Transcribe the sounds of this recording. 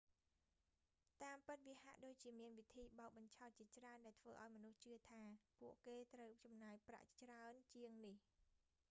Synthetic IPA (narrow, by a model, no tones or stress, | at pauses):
t̪aːmpɨt̪̚ʋiha̰ʔɗoːc̚t͡ɕiəmiənʋit̪ʰiːɓaɔk̚ɓɑɲt͡ɕʰɑɔt̪̚t͡ɕiət͡ɕraənɗaɛlt̪ʰʋəːʔaɔjmɔnuht͡ɕɨət̪ʰaːpuəʔkeːt̪rəwt͡ɕɑmnaːjpra̰ʔt͡ɕraənt͡ɕiəŋnih